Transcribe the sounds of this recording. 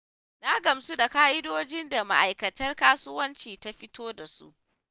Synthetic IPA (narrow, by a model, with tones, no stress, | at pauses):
na˦ɡɐ˨msu˦da˨kaː˦ʔɪ˦doː˦d͡ʒɪ˦nda˨ma̰˨ʔa˨jkɐ˨tɐ˦rkaː˦sʊ˦wɐ˦nt͡ʃiː˨ta˦ɸɪ˦toː˦da˨sṵ˦ʔ